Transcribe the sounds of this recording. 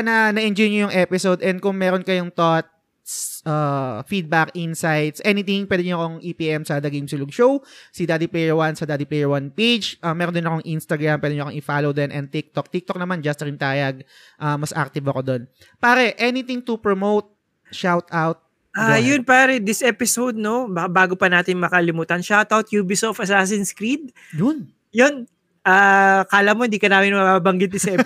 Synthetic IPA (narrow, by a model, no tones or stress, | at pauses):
nɐnɐʔɛnd͡ʒojɲojʊŋʔɛpɪsod̪ʔɛnd̪̚kʊŋmɛːɾonkɐjoŋt̪ot̪̚ | sʔafid̪̚bakʔinsajt̪sʔɛnɪt̪ɪŋpwɛːd̪ɪɲoɐko̞ŋʔipiʔɛmsɐd̪ɐɡijmsɪlʊɡ̚ʃowsɪd̪ad̪ipɛjɛɹwansɐd̪aːd̪iplɛjɛɹwanpejd͡ʒʔɐmɛɾɔnd̪ʊɪnɐkoŋʔinst̪ɐɡɹampwɛd̪ɛɲoɐkoŋʔɪfaːlowd̪ɛnʔɛn̚t̪ɪk̚t̪ok̚t̪ɪk̚t̪ok̚nɐmand͡ʒɐst̪ɾɪnt̪aːjɐɡ̚ | ʔamɐsʔak̚t̪ɪvɐko̞d̪o̞n | paːɾɛʔɛnɪt̪ɪŋt̪ʊpɹomowt̪̚ | ʃawt̪ʔawt̪̚ | ʔajonpaːɾɛd̪ɪsʔɛpɪsowd̪̚nobakabaːɡopɐnaːt̪ɪnmɐkɐlɪmuːt̪ɐnʃawt̪awt̪juːbisofɐsaːs̬ɪnskɾid̪̚ | jʊn | jon | ʔaːkaːlɐmoɪnd̪iːkɐnaːmɪnmɐbabɐŋɡɪt̪̚d̪ɪsɛ